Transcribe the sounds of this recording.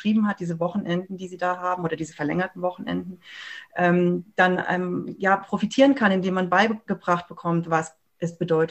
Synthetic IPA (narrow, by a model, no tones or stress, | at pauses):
ʁ̥iːbm̩hat̚d̥iːzəvɔχn̩ʔɛndn̩diːziːdaːɦaːbm̩oːdɐdiːzəfɛɐlɛ̰ŋɐtn̩vɔχn̩ʔɛ̰ndn̩ʔɛːmd̥anɛ̰ːmjaːpʁ̥ofitʰiːʁ̞ənkʰanɪndeːmːanbaɪɡ̥əbʁaχt̚b̥əkʰɔmtv̥as | ʔɛsb̥ədɔʏt